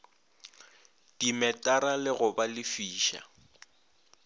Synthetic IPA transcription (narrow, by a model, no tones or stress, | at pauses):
d̥imɛtʼaɾalɪɣʊbalɪfiːʃa̰